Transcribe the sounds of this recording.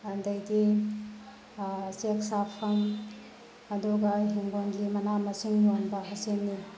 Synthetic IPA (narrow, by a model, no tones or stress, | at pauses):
ɐndɐjɡi | seksapʰɐm | ɐduɡɐɦeŋɡonɡimɐnamɐsiŋjonbɐɦɐsenːi